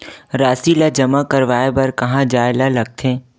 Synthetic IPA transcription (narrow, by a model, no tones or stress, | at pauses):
ɾaːsilad͡ʒɐmakəɾʋaːebɐɾkɐɦãd͡ʒaːɪlalɐɡ̚t̪ʰẽː